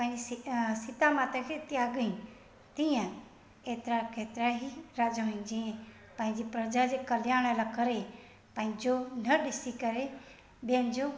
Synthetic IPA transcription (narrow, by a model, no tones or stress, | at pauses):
pãːd͡ʒissit̪amaːt̪əkʰet̪iaɡəĩ | t̪ijã | eːt̪ɾakʰeːt̪ɾaɦiɾad͡ʒaɦoĩd͡ʒĩẽ | pãːĩd͡ʒipɾəd͡ʒad͡ʒekəljaːɽ̃elakəɾe | pãːĩd͡ʒonəɖisikəɾe | bẽːnd͡ʒo